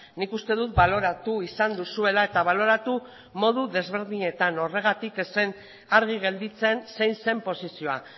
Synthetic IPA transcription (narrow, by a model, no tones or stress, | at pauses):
nikust̪e̞ðut̪̚balo̞ɾat̪uisand̪usue̞lae̞t̪aβ̞alo̞ɾat̪u | mo̞ð̞uðe̞zβe̞ɾðiɲe̞t̪ano̞re̞ɣ̞at̪ikesen | aɾɣ̞iɣ̞e̞ld̪it͡se̞nse̞jnse̞mpo̞sisio̞a̰